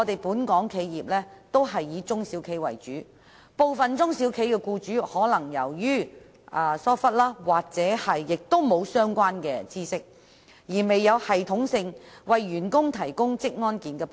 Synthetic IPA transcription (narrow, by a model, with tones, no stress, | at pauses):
t̪e˨jpuː˨˥nkɔː˨˥ŋkʰe˨˧jːiː˨p̚lɛː˥t̪o˥wɦɐ˨jːiː˨˧t͡sʊ˥ŋsi˨˥wkʰe˨˥jwɐ̰˨˩jt͡ʃyː˨˥ | po˨wfɐ˨nt͡sʊ˥ŋsiː˨˥wkʰe˨˥jkɛː˧kuː˧t͡ʃyː˨˥hɔː˨˥lɐ˨˩ŋjɐ̰˨˩wjyː˥ | ʔaː˨˧sɔː˥fɐ˥t̚laː˥waː˨k̚t͡sɛː˨˧˥hɐ˨jːɪ˨k̚t̪o˥wmo˨˧wsœː˥ŋkʷaː˥nkɛː˧t͡siː˥sɪ˥k̚ | jiː˨˩me˨jːɐ˨˧whɐ˨jt̪ʰʊ˨˥ŋsɪ˧ŋwɐ˨jːyː˨˩nkʊ˥ŋt̪ʰɐ˨˩jkʊ˥ŋt͡sɪ˥k̚ŋɔː˥nkiː˨nkɛː˧